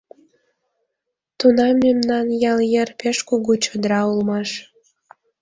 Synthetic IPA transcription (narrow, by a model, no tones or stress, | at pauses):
t̪unɑmːemnɑnjɑljerpeʃkuɣut͡ɕod̪ɾɑulmɑʃ